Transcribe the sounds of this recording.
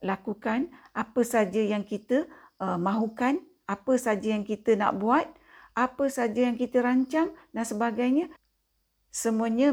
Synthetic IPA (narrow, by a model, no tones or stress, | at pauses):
lakukanʔapəsad͡ʒəjaŋkit̪ə | əmãɦukan | apəsad͡ʒəjaŋkit̪əna̰ʔbuat̪̚ | ʔapəsad͡ʒəjaŋkit̪əɾaɲt͡ʃaŋdansəbaɡajɲə̃ | səmuəɲə